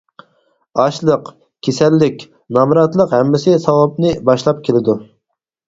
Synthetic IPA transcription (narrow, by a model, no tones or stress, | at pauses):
ɑʃlˠəq | kʲʰesɛlːɪkʲ | nɑmɾɑt̪lˠəqhɛmːɪsɪsɑwɑp̚nɨbɑʃlˠɑp̚kʲʰelɪd̪u